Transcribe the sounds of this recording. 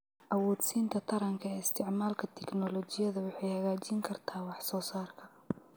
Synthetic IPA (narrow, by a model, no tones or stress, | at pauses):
ʔɐwɔːd̪siːnt̪ʰɐt̪ʰɐɾɐŋkʰɐɛːɪst̪ʰɪʕmaːlkʰɐt̪ʰɛknɔlɔːt͡ʃɪjɐðɐwʊħɑjhɐɣaːt͡ʃiːŋkʰɐrt̪ʰaːwɑħsɔːsaːrkʰɐ